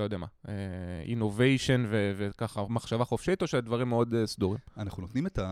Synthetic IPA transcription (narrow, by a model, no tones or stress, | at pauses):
lojodeamaeḭnovejʃonvevekaχamaχʃavaχofʃitoʃeldvaʁimːeo̞desd̪uʁimanaχnunot̪nimet̪a